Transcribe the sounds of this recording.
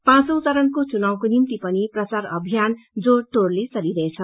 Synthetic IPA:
pãsʌwt͡saɾʌnkot͡sunawkonimt̪ipʌniprʌt͡saɾʌbʱijand͡zoʈorlesʌɾiɾʌet͡sʰʌ

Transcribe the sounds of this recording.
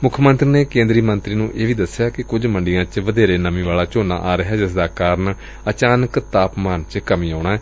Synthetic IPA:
mʊkʰːmə̃nt̪ɾineːkẽːnd̪ɾiːmə̃nt̪ɾiːnũːʔeːʋiːd̪əsːjaːkɪkʊd͡ʒməɳɖijãːt͡ʃʋəd̪eːɾeːnəmĩːʋaːlaːt͡ʃoːna̰ːʔaːɾəɦɛːd͡ʒɪsd̪aːkaːɾən | ət͡ʃaːnəkt̪aːpmaːnt͡ʃkəmĩːaːɳ̃aːɦɛː

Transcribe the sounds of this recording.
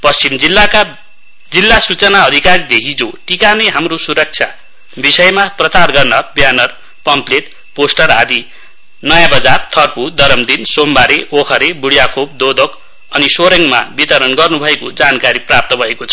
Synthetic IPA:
pʌst͡simd͡zilːaka | d͡zilːasut͡sʌnaʌd̪ʱikaɾid̪ekʰid͡zoʈikanʌjɦamrosuɾʌk̚t͡sʰja̰ | bisʌjmaprʌt͡sarɡʌrnʌbjanʌr | pʌmpleʈ̚ | posʈʌrɦa̰d̪i | nʌjãbʌd͡zart̪ʰʌrpud̪ʌɾʌmd̪insombaɾeʔokʰʌɾebuɽjakʰob̚d̪od̪ok | ʌnisoɾeŋma̰bit̪ʌɾʌnɡʌrnubʱʌekod͡zankaɾiprap̚t̪ʌbʱʌekot͡sʰʌ̥

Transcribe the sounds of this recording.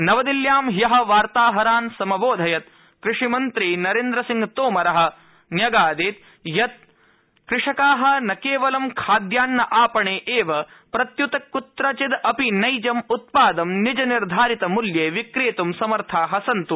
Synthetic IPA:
nɐʋɐd̪iljaːmɦjɐɦɐ̆ʋaːɾt̪aːɦɐɾaːnsɐmɐboːd̪ʱɐjɐt̪̚ | kɾɪʂimɐnt̪ɾinɐɾeːnd̪ɾɐsiŋɡt̪oːmɐɾɐɦɐ̆ | njɐɡaːd̪eːt̪̚ | jɐt̪̚ | kɾɪʂɐkaːɦɐ̆nɐkeːʋɐlɐmkʰaːd̪jaːnːɐʔaːpɐɳeːʔeːʋɐ | pɾɐt̪jut̪ɐkːut̪ɾɐt͡ʃid̪ɐpinɐjd͡ʒɐmut̪̚paːd̪ɐmnid͡ʒɐniɾd̪ʱaːɾit̪ɐmuljeːʋikɾeːt̪umsɐmɐɾt̪ʰaːɦɐsɐnt̪u

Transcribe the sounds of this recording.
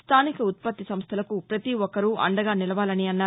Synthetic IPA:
st̪ʰaːnikɐut̪̚pɐt̪ːisɐmst̪ʰɐlɐkupɾɐt̪iɔkːɐɾuʔɐ̰ɳɖɐɡaːnilɐʋaːlɐniɐnːaː

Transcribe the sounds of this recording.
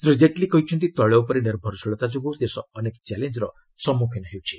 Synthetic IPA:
t̪ɾid͡ʒeʈlikɔɦit͡ʃʰɔnt̪it̪ɔɭɔupɔɾiɖeɾbʱɔɾsoɭɔt̪ad͡ʒoɡod̪esɔːnekt͡ʃɛlend͡ʒɾɔ | sɔmukʰenɔɦewt͡ʃʰi̥

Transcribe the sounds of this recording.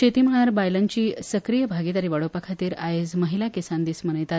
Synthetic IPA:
t͡ɕʰet̪iːm̤əɭ̃aɾbajlant͡ɕiːsəkɾijəbʱaɡit̪aɾiʋaɽopakʰat̪iːɾajed͡zməɦilakesand̪iːsmənəjt̪at̪

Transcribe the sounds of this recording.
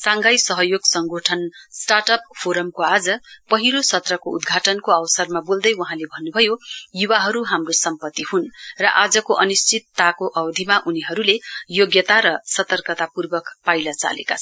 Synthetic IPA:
sãŋɡajsʌɦʌjoɡsʌŋɡʱoʈʰʌnsʈarʈʌp̚pʰoɾʌmkoad͡zʌpʌɦiɾosʌt̪rʌkoud̪ɡʱaʈʌnkoʌwsʌrmabold̪ʌjwʌɦãlebʱʌnːubʱʌjojuwaɦʌɾuɦamrosʌmpʌt̪ːiɦunrʌʔad͡zʌkoʔʌnist͡sit̪ːakoʔʌwd̪ʱimaʔuniɦʌɾulejoɡjʌt̪aɾʌsʌt̪ʌrkʌt̪apurbʌkpajlʌt͡sa̰lḛkat͡sʰʌ

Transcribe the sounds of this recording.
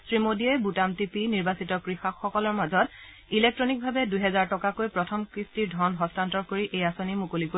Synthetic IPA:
sɹimodiɔjbutamtipiniɹbasitɔkɹixaxɔkɔlɔɹmazɔt | ilek̚tɹɔnik̚bʱabɛdujɦɛzaɹtɔkakojpɹɔtʰɔmkɹistiɹdʱɔnɦɔstantɔɹkoɹiʔejasonimukoliko

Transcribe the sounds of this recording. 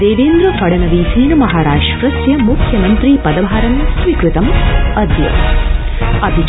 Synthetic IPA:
d̪eːʋeːnd̪ɾɐpɐɽɐnɐʋiːsiːnɐmɐɦaːɾaːʂʈkɾɐsjɐmukʰjɐmɐnt̪ɾipɐd̪ɐbʱaːɾɐnsʋikɾut̪ɐmɐd̪ʱjɐ̰ | ɐbʱi

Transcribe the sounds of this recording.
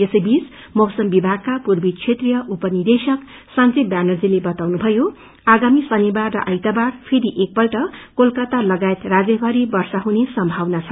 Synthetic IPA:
esʌjbis | mʌwsʌmbibʱaɡ̚kapurbit͡sʰet̪rijʌʔupʌnird̪esʌksãnt͡sebjanʌrd͡zilebʌt̪awnubʱʌjo | aɡamisʌnibarːʌʔʌjt̪abarpʰeɾiʔek̚pʌlʈʌkolkat̪alʌɡajet̪rad͡zʌbʱaɾibʌrsaɦunesʌmbʱawnat͡sʰʌ

